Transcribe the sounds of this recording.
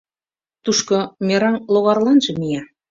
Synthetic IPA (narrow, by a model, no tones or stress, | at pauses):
t̪uʃkɤ̆mʲeɾɑŋlˠoɣɑrlɑnʒɤ̆mijæ